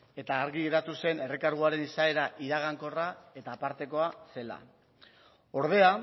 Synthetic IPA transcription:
e̞t̪aːɾɣieɾat̪use̞ne̞rekaɾɣ̞uaɾe̞nisae̞ɾaʔiɾaɣ̞aŋko̞rae̞t̪aːpaɾt̪e̞ko̞ase̞la̰ | o̞ɾðe̞a

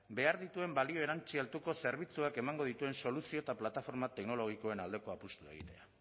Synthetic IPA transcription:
be̞aɾðit̪ue̞mbalio̞e̞ɾant͡ʃialt̪uko̞se̞ɾβit͡suake̞maŋɡo̞ðit̪ue̞nso̞lusio̞t̪aplat̪afo̞ɾmat̪e̞kno̞lo̞ɣ̞iko̞e̞nald̪e̞ko̞apust̪ue̞̰ɣ̞ḭt̪e̞a

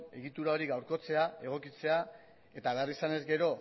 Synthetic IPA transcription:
e̞ɣ̞it̪uɾao̞ɾiɣawɾko̞t͡se̞ae̞ɣ̞o̞kit͡se̞a | e̞t̪aːðarisane̞zɡe̞ɾo̞

